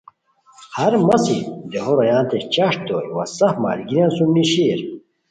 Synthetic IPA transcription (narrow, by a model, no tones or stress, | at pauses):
hɐɾmɐsid̪eɦoɾɐjãːnt̪et͡ɕɐʂ̚d̪oːɾwɐ̰sɐfma̰ːlɡiɾãːnsumniɕiɾ